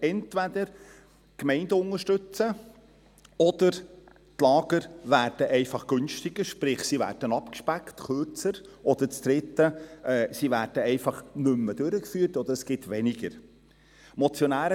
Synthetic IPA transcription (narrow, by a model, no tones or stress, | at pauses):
ɛntʋæd̪əɾ | kmɛɪndəʊŋəʃtɵt͡sə | ɔd̪̥əɾ | tlɑːɡ̥əɾʋæːrd̥əʔɛɪfɑχɡ̥ʏnʃtɪɡ̥əɾʃpɾɪχsiʋæ̰ːɾd̥ənɑpkʃpæktkʰøɾt͡səɾʔɔd̪ət͡st̪ɾɪt̪ːəʔɛːsiʋæːɾd̥əɛɪfɑχnʏmːəd̥̪øɾəkfyːrtɔd̪əɾəsɡ̥ɪt̪ʋɛnɪɡəɾ | mɔt͡sjɔnæːɾə